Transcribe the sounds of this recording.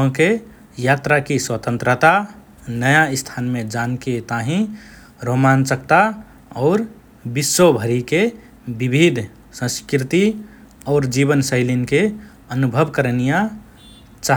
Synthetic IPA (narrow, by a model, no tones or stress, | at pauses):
ɦõke | jat̪ɾakiswət̪ə̃nt̪ɾət̪a | nəjast̪ʰanmẽd͡ʒanket̪aɦĩ | ɾoɦmant͡ʃək̚t̪a | ɔʊɾ | bisobʱəɾike | bibʱid̪ʱ | sə̃skɾit̪i | ɔʊɾd͡ʒiβənsəɪlinke | ənubʱəbkəɾənija | t͡ʃa